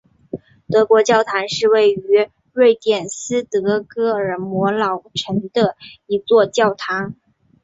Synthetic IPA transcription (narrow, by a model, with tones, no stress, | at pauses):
t̪ɤ˧˥kwɔ˧˥t͡ɕjɑ˥˩ʊt̪ʰa˧˥nʂɻ̩˥˧we˥˩ɪy˧˥ | ɻwe˥˧ɪt̪jɛ˨˩nsɹ̩˥t̪ɤ˧˥kɤ˥ə˞˨˩mwɔ˧˥lɑ˨˩ʊʈ͡ʂʰə˧˥ŋd̪ə˧i˧˥t͡swɔ˥˧t͡ɕjɑ˥˩ʊt̪ʰa˧˥ŋ